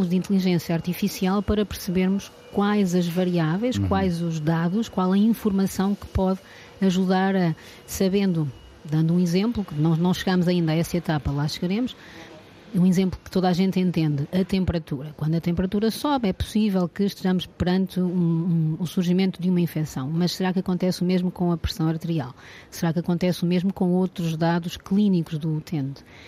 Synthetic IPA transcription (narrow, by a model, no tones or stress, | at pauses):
ud̪ĩnt̪lˠiʒẽsjɐaɾt̪ifisialˠpɐɾɐpɨɾsɨβeɾmuʃ | kwajzɐʒvɐɾiavɐ̃j̃ʃkwajzuʒðaðuʃkwalˠɐĩfuɾmɐsɐ̃w̃kɨ̥pɔð | ɐʒuðaɾɐ | sɐβẽnd̪u | d̪ɐ̃nd̪uũizẽmplˠuknɐ̃w̃nɐ̃w̃ʃɨɣamuzɐĩnd̪aɛsɐet̪apɐlˠaʃɨɣɐɾemʊʃ | ũizẽmplˠukɨ̥t̪oðaʒẽnt̪ẽnt̪ẽnd̪ɨɐt̪ẽmpɨɾɐt̪uɾɐkwɐ̃nd̪ɐt̪ẽmpɨɾɐt̪uɾɐsɔβɛpu̥sivɛlˠkɨʃt̪ɨʒɐmʊʃpɨɾɐ̃nt̪ɨũũusuɾʒimẽnt̪uðumɐĩfɛsɐ̰̃w̃mɐʃsɨɾakɐkõnt̪ɛsumeʒmukõɐpɾɨ̥sɐ̃w̃ɐɾt̪ɨɾia̰lˠ | sɨɾakɐkõnt̪ɛsumeʒmukõowt̪ɾuʒðaðuʃklˠinikuʒðuːt̪ʰẽnt̪